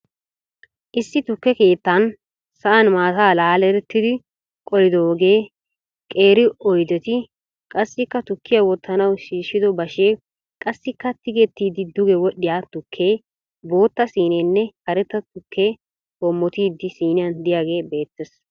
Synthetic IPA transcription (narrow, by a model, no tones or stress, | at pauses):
ʔɪsːɪt̪ʊkːɛke̞ːt̪ːɐn | sɐʔɐnmaːtaːlaːlɛɾɛt̪ːɪd̪ɪ | kʼɔlɪd̪oːɡe̞ː | kʼe̞ːɾɪɔjd̪ɛt̪ɪ | kʼɐsːɪkːɐt̪ʊkːɪjawɔt̪ʰːɐnɐwʃiːʃːɪd̪ɔbɐʃeː | kʼɐsːɪkːɐt̪ɪɡɛt̪ːiːd̪ɪd̪ʊɡɛwɔɗɪjaːt̪ʊkʰːeː | bo̞ːt̪ːɐsiːnɛnːɛhɐɾɛt̪ːɐt̪ʊkʰːeː | hɔmːɔt̪iːd̪ːɪsiːnɪjɐnd̪ɪjaːɡe̞ːbe̞ːt̪ːɛs